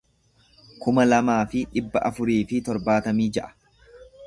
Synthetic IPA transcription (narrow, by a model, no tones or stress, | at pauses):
kʊmɐlɐmaːfɪᶑɪbːɐʔɐfʊɾiːfɪt̪ɔɾbaːt̪ɐmiːd͡ʒɐʔɐ̥